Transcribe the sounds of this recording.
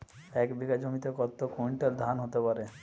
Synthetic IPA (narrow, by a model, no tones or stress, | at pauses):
ɛkbiɡad͡ʑomit̪ekɔt̪ːokuiɳʈeld̪ʱanɦot̪epaɾe